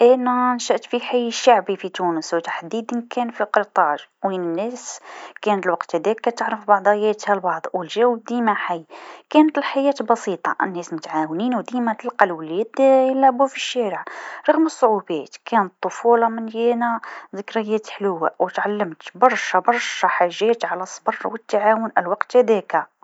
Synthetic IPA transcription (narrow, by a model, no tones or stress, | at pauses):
ʔænænʃæʔt̪fiħajːʃaʕbifit̪unəswt̪ḁħd̪id̪ənkʰænfiqət̪ˤɑʒwinənːæskænət̪əlwɑqt̪hæd̪ækːæt̪əʕɾəfbɑʕd̪ˤɑjæt̪hælbɑʕd̪ˤwəlʒæwəb̚d̪imæħajkænət̪əlħajæt̪bɑsit̪ˤɑ̰ʔə̰nːæsmʊt̪ʕawninwd̪imæt̪əlqɑlwlæd̪jəlʕbufiʃːæɾəʕɾˤɑɣməsˤːoʕubæt̪kænət̪ˤːofulɑmənjænæzəkɾɑjæt̪ħlwːæ̰wət̪ʕalːəmt̪bɑɾˤʃæbɑɾˤʃæħaʒːæt̪ʕalæsˤːbɑrˤwət̪ːaʕawʊnʔælwɑqt̪æd̪æka